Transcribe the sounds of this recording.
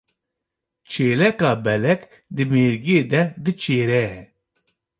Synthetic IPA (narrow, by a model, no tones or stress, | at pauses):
t͡ʃʰeːlɛkɑːbɛlɛk | d̪ɨmeːɾɡieːd̪ɛd̪ɨt͡ʃʰeːɾɛ